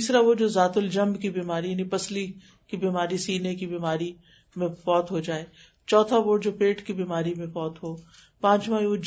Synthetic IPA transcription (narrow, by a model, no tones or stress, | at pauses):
iːsɾaʋod͡ʒoːzaːt̪ʊld͡ʒɐ̃mbkibiːmaːɾijaːnipɐsli | kibiːmaːɾisiːnekibiːmaːɾi | mẽfɔːt̪ɦod͡ʒaːeː | t͡ʃɔːt̪ʰaʋoːd͡ʒoːpeːʈkibiːmaːɾimẽfɔːt̪ɦoː | pãːt͡ʃmãoː